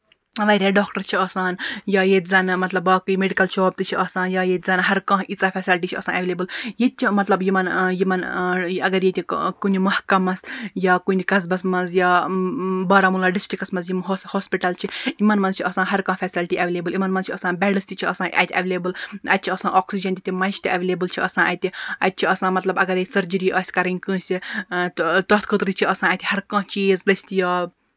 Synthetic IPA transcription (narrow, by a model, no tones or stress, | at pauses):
ʋɐɾʲaːɖoːkʈɐɾt͡ʃʰiɐːsaːnjaːjet̪ʲzɐnmɐt̪lɐbaːkujmeɖikɐlt͡ʃʰoːb̚t̪ɨt͡ʃʰiɐːsãːnjaːjet̪ʲzɐnɦɐɾkãːɦʔit͡saːfʰʲɛːsilʈiːt͡ʃʰiɐ̰ːsãːnʔɐʋeleːbɨljet̪̚t͡ʃʰimɐt̪lɐbjimɐnjimɐnɐɡɐɾjet̪ʰʲikunʲimɐhkɐmɐsjaːkunʲikɐzbɐsmɐnzjaː | bɐːɾaːmulaːɖɪsʈɾikɐsmɐz̬jimɦoshoːspiʈɐlt͡ʃʰiimɐnmɐnzt͡ʃʰiʔɐsãːɦɐɾkãːfɛːsilʈiɐʋeːleːbɨlimɐnmɐnzt͡ʃʰiɐsãːbʲɛɖɐsʲt̪it͡ʃʰiɐsãːʔɐ̰t̪ʰʲɐ̰ʋeːleːbɨlɐ̰t̪̚t͡ʃʰiɐsãːʔoːksid͡ʒɐnt̪ʰʲit̪ʲimɐjʃt̪iʔɐʋeːleːbɨlt͡ʃʰiɐsãːʔɐ̰t̪ʲiɐ̰t̪̚t͡ʃʰiɐsãːmɐt̪lɐbɐɡɐɾjeːsɐɾd͡ʒəɾiːʔɐːsʲkɐɾɐnʲkə̃ːsʲit̪t̪ot̪kʰət̪ɾit͡ʃʰiɐsãːɐt̪ʰʲihɐɾkãːt͡ʃiːzlɐsʲt̪ijaː